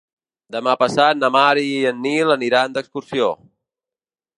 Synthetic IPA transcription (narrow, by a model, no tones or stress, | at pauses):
d̪əmapəsat̪̚nəmaɾiiənːiləniɾand̪əkskuɾsio